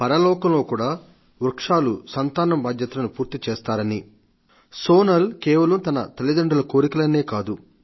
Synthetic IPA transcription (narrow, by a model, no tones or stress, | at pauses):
pɐɾɐlɔːkɐmlo̞ːkuːɽaː | ʋɾɐkʂaːlusɐnt̪aːnɐmbʱaːd̪jɐt̪ɐlɐnupuːɾt̪it͡ʃɛːst̪aːɾɐni | soːnɐlkɛːʋɐlɐmt̪ɐnɐ̰t̪elid̪ɐɳɖɐlɐko̞ːɾikɐlɐnːe̞ːkaːd̪u